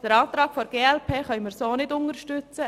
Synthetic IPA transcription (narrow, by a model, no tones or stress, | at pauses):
d̥əɾɑːt̪ɾɑːkfɔɾɡ̥eːɛlpʰeːχœɪmɪɾsoːnɪdʊnəɾʃtʏt͡sə